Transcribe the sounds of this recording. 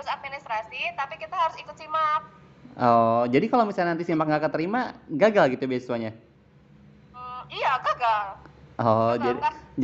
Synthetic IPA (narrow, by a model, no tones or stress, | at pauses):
sat̪̚minist̪ɾasit̪apikit̪aɦaɾʊsikʊt̪̚simak̚ | ɔd͡ʒadikalowmisanant̪isimak̚ŋɡakət̪əɾimaɡaɡalɡit̪ubiassuaɲa | m̩ijaɡaɡalʔɔd͡ʒad